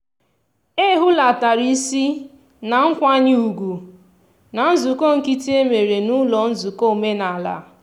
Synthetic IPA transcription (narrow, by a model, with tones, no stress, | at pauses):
e˦ɦʊ˦la˨ta˨ɾi˦si˦ | na˨ŋ̩˦kʷa˦ɲɪ˦u˨ɡu˨ | na˨n̩˦zu˨ko˦ŋ̩˨ki˦ti˦e˦me˨ɾe˨nu˦lɔ˨n̩˦zu˨ko˦˨me˦na˨la̰˨˦˨